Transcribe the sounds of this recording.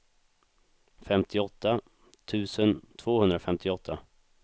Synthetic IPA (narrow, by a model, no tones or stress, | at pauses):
fɛmt̪ʰɪɔt̪ʰːa | t̪ʰʉ̟ːsənt̪ʰvoːhɵnd̪ɾafɛmt̪ʰɪɔt̪ʰːa